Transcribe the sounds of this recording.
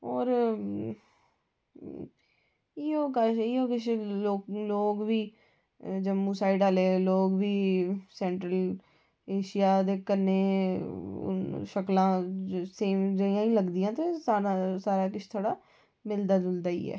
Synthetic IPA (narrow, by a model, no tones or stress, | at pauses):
ɔːɾ | iːoːkaiːoːkɪt͡ʃʰloːloːɡʋiː | d͡ʒəmːuːsaːiɖaːleːloːɡʋiːsɛ̃ːɳʈɾəl | eːʃijaːd̪eːkəɾnḛː | ʃəklãːseːmd͡ʒəijãːĩːləɡd̪ijãːt̪eːsaːɾasaːɾaːkɪt͡ʃʰt̪ʰoːɽaː | mɪld̪aːd̪ʊld̪aːḭːɛ̰ː